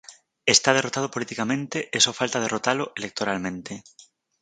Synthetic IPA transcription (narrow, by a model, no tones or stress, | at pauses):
est̪að̞erot̪að̞opolit̪ikamẽnt̪eʔesofalt̪að̞e̞rot̪aloʔelek̚t̪oɾalmẽnt̪e